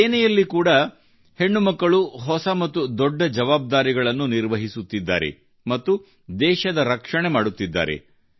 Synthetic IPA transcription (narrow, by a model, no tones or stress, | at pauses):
eːnɛjɐlːikuːɽɐ | he̞ɳːumɐkːɐɭuɦɔsɐmɐt̪ːud̪ɔɖːɐd͡ʒɐʋaːb̚d̪aːɾiɡɐɭɐnːuniɾʋɐɦisut̪ːid̪ːa̰ːɾe̞̰ | mɐt̪ːu | d̪ɛːʃɐd̪ɐɾɐkʂɐɳe̞maːɽut̪ːid̪ːa̰ːɾe̞̰